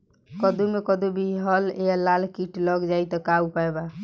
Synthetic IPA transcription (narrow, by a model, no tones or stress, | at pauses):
kəd̪umekəd̪ubʱiɦəlejalalkiʈləɡd͡ʒajt̪ɔkaupaeba